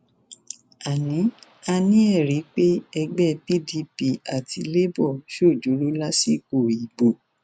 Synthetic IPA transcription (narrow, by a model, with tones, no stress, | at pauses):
a˨nĩ˨˦ | a˧nĩ˦ɛ˦˨ɾi˨˦k͡pe˦ɛ˧ɡ͡bɛ˦pi˦di˧˦pi˦˧a˨ti˧le˦bɔ˦˨ʃo˦˨d͡ʒo˨˦lo˦la˦si˦˨ko˦˨i˨ɡ͡bo˨